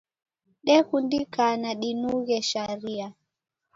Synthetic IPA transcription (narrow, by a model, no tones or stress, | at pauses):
ɗɛkundikanaɗinuɣɛʃaɾia